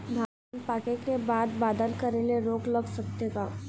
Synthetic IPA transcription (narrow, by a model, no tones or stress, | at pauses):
d̪ʱa | npaːkekebaːd̪baːd̪əlkɐɾelieɾoːklɐɡsɐk̚t̪eɡaː